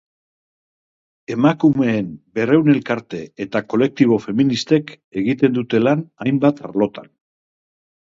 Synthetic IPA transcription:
e̞makume̞ːmbe̞re̞wne̞lkaɾt̪e̞et̪ako̞le̞k̚t̪iβ̞o̞fe̞minist̪e̞k | e̞ɣit̪e̞nd̪ut̪e̞lanajmbat̪a̰ɾlo̞t̪a̰n

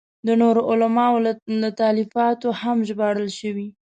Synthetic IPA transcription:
d̪ənoɾoʔʊlamɑollat̪ɑlifɑt̪ohamʒbɑɽəlʃəwi

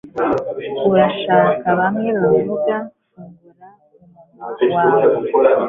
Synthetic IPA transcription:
uɾaʃaːkaβamŋeɾaɡa | waːw

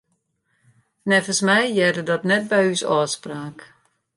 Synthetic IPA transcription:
nɛfəsmɛjjɛrdədɔtnɛt̚bɛjysɔːspraːk

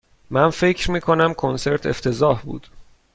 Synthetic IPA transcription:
mænfe̞cʰɾmiːkʰo̞næmkʰonse̞ɾt̪ʰeft̪ʰe̞zɒːhbṵːd̪̥

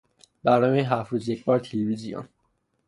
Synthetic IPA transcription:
bæɾnɔːmeɦæfɾuːzjekʰbɒːɾt̪ʰelevizijɔ̰n

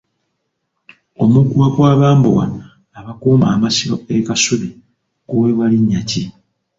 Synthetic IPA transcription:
o̞mukuwakwaːβaːmbo̰ɣa̰ː | βakuːma̰ːmasiɾo̰ekasuβi | kuweβaliɲːaci

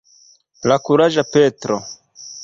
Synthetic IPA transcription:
lakuɾaʒapetɾo

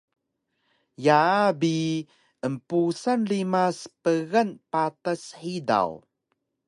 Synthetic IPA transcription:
jabi | əmpusanlimaspəɣanpatəsħida̰w

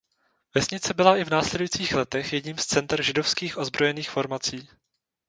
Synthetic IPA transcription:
vɛsɲɪt͡sɛbɪlaɪvnaːslɛdujit͡siːxlɛt̪ɛxjɛdɲiːmst͡sɛnt̪ɾʒɪdofskiːxʔo̞zbɾo̞jɛniːxfo̞ɾmat͡siː

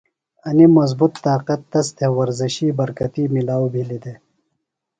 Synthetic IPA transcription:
ɐnimɐzbut̪ːaːqɐt̪ːɐst̪ʰewɐɾziɕibɐɾkɐt̪iːmilaːwbʱilid̪e

